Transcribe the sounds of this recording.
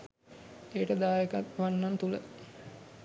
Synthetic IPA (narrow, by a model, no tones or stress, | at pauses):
eːʈəd̪aːjekat̪ʋanːant̪ulə